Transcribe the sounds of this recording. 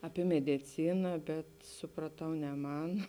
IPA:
ɐˈpʲiɛ mʲɛdʲɪˈt͡sʲɪnɐ bʲɛt sʊprɐˈtɐʊ nʲɛ ˈmɐn

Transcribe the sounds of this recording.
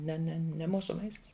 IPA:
ˈnʲɛ ˈnʲɛ nʲɛ ˈmuːsʊ ˈmɐɪsts

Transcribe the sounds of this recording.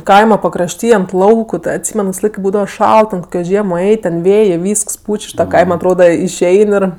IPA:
ˈkɐɪmɐ pɐkrɐʃʲˈtʲiː ɐnt ˈlˠɐʊkʊ ˈtɜ ɐtʲˈsʲiːmʲɛn kɐɪp ˈbuːdɐʋɐ ˈʃɐlˠt tʲɛn ˈkoːkʲoː ˈʒʲiɛmoː ˈɛɪtʲ tʲɛn ˈʋʲeːjeː ˈʋʲiːsks ˈpʊt͡ʃʲ ʊʃ ˈtɑː ˈkɐɪmɐ ɐtˈroːdɐ ɪʃʲˈɛɪn ɪr

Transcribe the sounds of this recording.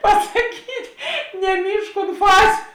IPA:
pɐsɐˈkʲiːtʲ nʲɛˈmʲiːʃk ʊnt ˈfɑːzʲʊ

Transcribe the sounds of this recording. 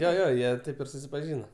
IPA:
joː ˈjoː ˈjiɛ ˈtɐɪp ɪr sʊsʲɪpɐˈʒʲiːnɐ

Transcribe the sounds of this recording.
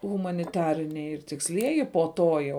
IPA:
ɣʊmɐnʲɪˈtɑːrʲɪnʲɛɪ ɪr tʲɪksʲˈlʲiɛjɪ poː ˈtoː jɛʊ

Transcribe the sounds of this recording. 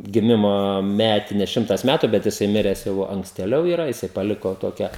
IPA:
ɡʲɪˈmʲɪmoː ˈmʲæːtʲɪnʲɛs ˈʃʲɪmtɐs ˈmʲætʊ bʲɛt jɪˈsɐɪ ˈmʲɪrʲɛs jɛʊ ɐŋksʲtʲeːˈlʲɛʊ ɪˈrɐ jɪˈsɐɪ pɐˈlʲɪkoː ˈtoːkʲɛ

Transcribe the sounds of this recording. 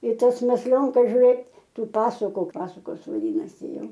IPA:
iː ˈtɐs mʲɛsʲˈlʲoːŋkɐs ʒʲʊˈrʲeːt ˈtuː ˈpɑːsʊkʊ ˈpɑːsʊkoːs ʋɐˈdʲiːnɐsʲɪ ˈjɛʊ

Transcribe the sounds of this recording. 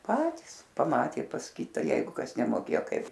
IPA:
ˈpɑːtʲiːs pɐˈmɑːtʲeː pɐs ˈkʲɪtɐ ˈjɛɪɡʊ ˈkɐs nʲɛmoːˈkʲeːjoː ˈkɐɪp

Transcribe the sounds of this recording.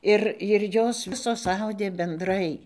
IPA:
ˈɪr ɪr ˈjoːs ˈʋʲɪsoːs ˈɐʊdʲeː bʲɛnˈdrɐɪ

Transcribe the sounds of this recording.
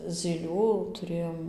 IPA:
zʲiːˈlʲuː tʊˈrʲeːjoːm

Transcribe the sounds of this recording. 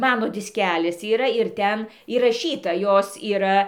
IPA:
ˈmɑːnoː dʲɪsʲˈkʲæːlʲɪs iːˈrɐ ɪr ˈtʲɛn iːrɐˈʃʲiːtɐ ˈjoːs iːˈrɐ

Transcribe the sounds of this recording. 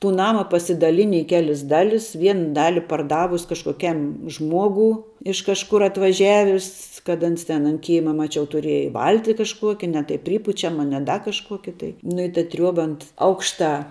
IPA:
tuː ˈnɑːmɐ pɐsʲɪdɐˈlʲɪnʲɪ ɪ ˈkʲæːlʲɪs ˈdɑːlʲɪs ˈʋʲiɛn ˈdɑːlʲɪ pɐrˈdɑːʋʊs kɐʃkoːˈkʲɛm ˈʒmuɔɡuː ɪʃ kɐʃˈkʊr ɐtʋɐˈʒʲæːʋʲɪs kɐt ˈɐns tʲɛn ɐnt ˈkʲeːmɐ mɐˈt͡ʃʲɛʊ tʊˈrʲiɛjɛ ˈʋɐlʲtʲɪ kɐʃˈkuɔkʲɛ nʲɛ tɐɪ ˈpʲrʲiːpʊt͡ʃʲɛmɐ nʲɛ ˈdɐ kɐʃˈkuɔkʲɪ tɐɪ nʊ ɪ tɐ ˈtʲrʲuɔbɐ ɐnt ˈɐʊkʃtɑː

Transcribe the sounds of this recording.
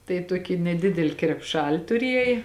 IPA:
tɐɪ ˈtuɔkʲɪ nʲɛˈdʲɪdʲɛlʲɪ krʲɛpˈʃɐlʲ tʊˈrʲiɛj

